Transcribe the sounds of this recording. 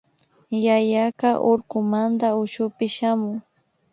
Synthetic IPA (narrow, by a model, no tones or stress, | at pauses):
jajakaʔoɾkʊmand̪aʊʃʊpɪʃamʊŋ